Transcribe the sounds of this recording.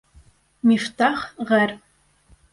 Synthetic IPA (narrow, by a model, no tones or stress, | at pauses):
miftʰaχʁɐr